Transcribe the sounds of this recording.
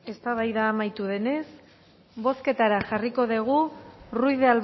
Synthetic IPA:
e̞st̪aβajðaːmajt̪uðe̞ne̞s | bo̞ske̞t̪aɾaʝariko̞ðeɣ̞urujðeal

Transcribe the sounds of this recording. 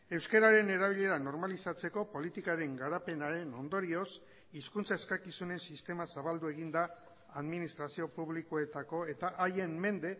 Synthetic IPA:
e̞wske̞ɾaɾe̞ne̞ɾaβ̞iʎe̞ɾano̞ɾmalisat͡se̞ko̞po̞lit̪ikaɾe̞ŋɡaɾape̞naɾe̞no̞nd̪o̞ɾio̞s | iskunt͡sae̞skakisune̞nsist̪e̞masaβald̪ue̞ɣ̞ind̪aː | ðminist̪ɾasio̞puβlikoe̞t̪ako̞e̞t̪aʔaje̞mːe̞nd̪e̞

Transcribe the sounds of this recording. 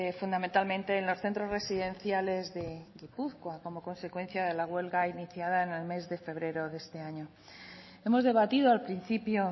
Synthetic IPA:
fund̪ament̪almẽ̞nt̪e̞ːnlo̞sθe̞nt̪ɾo̞zre̞siðe̞nθjale̞zðe̞ɣipuθkwako̞mo̞ko̞nse̞kwe̞n̟θjaðe̞laɣwe̞lɣainiθjaðaene̞lme̞zðe̞fe̞β̞ɾe̞ɾo̞ðest̪e̞aɲo | emo̞zðe̞β̞at̪ið̞oalpɾin̟θipjo

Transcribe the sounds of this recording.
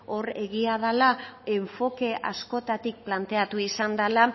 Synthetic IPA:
o̞re̞ɣiaðalae̞ɱfo̞ke̞ʔasko̞t̪at̪ik̚plant̪e̞at̪uisand̪ala

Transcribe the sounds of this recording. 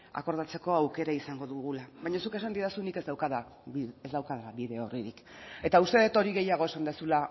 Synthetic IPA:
a̰ko̞ɾðat͡se̞ko̞awke̞ɾaisaŋɡo̞ðuɣulaβajɲasuke̞sand̪iðasuniked̪awkaða | iezðawkaðaaβiðe̞o̞riɾik | e̞t̪aust̪e̞ðet̪o̞ɾiɣe̞jaɣ̞o̞esand̪esula

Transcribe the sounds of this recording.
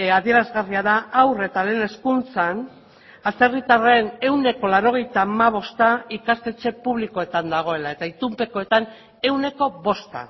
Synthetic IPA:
aðie̞ɾazɣariaðaːwre̞t̪ale̞ːne̞skunt͡san | ase̞rit̪arene̞wne̞ko̞laɾo̞ɣ̞e̞jt̪aːmaβ̞o̞st̪aikast̪e̞t͡ʃe̞puβliko̞e̞t̪and̪aɣ̞o̞e̞lae̞t̪ait̪umpe̞koe̞t̪an | e̞wne̞ko̞βo̞st̪a̰

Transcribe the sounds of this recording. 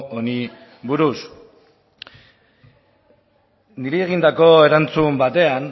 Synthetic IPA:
oni | βuɾus | niɾeːɣ̞ind̪ako̞e̞ɾant͡sumbat̪e̞an

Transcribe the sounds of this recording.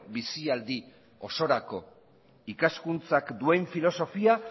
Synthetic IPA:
bisiald̪i | o̞so̞ɾako̞ | ikaskunt͡sakd̪ue̞ɱfilo̞so̞fia

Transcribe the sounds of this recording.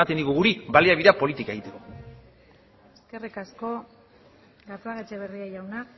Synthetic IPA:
at̪ed̪iɣuɣuɾiβbaliaβiðeapo̞lit̪ikae̞ɣ̞it̪e̞ko̞ | eske̞rikasko̞ | ɡat͡s̪oaɣet͡ʃeβeriaʝawna

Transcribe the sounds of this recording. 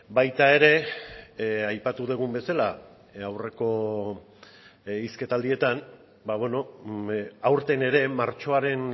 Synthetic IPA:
bajt̪ae̞ɾe̞ | ajpat̪uðeɣ̞umbe̞sala | awre̞ko̞ | iske̞t̪ald̪ie̞t̪an | baβe̞no̞ | awɾt̪e̞ne̞ɾe̞maɾt͡ʃo̞aɾe̞n

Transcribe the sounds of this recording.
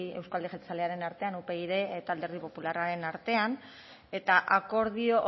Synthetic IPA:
e̞wskoald̪eʝet̪at͡sale̞aɾe̞naɾt̪e̞anupe̞iðe̞t̪ald̪e̞ɾð̞ipo̞pularaɾe̞naɾt̪e̞an | e̞t̪aʔako̞ɾðioʔ

